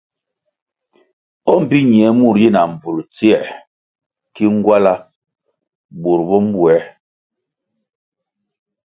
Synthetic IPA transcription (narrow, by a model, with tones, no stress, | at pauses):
ɔ˦m̩˨pi˦ɲi˨ɛ˨˦mu˦˨ɾji˦˨na˨m˨b͡vu˨lt͡si˦ɛ˦˨ | ki˦ŋ˦ɡwa˦la˦ | bu˨ɾbɔ˦m̩˦bwɛ˨˦